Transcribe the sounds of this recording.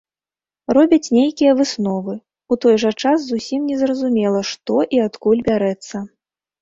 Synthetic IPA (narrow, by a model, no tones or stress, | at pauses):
rɔbʲɐt͡sʲnʲejkʲijɐvɨsnɔvɨ | ut̪ɔjʐɐt͡ʂasːusʲimnʲɛzrɐzumʲɛlˠɐʂt̪ɔʔiat̪kulʲbʲaɾɛt̪sːɐ